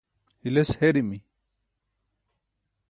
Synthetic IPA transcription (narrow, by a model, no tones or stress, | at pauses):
hilesheɾimi